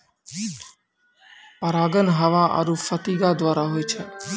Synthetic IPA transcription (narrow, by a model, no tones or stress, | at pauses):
pɐɾaːɡənɦɐʋaʔɐ̰ɾufɐt̪iɡad̪waːɾaɦojt͡ʃʰɛ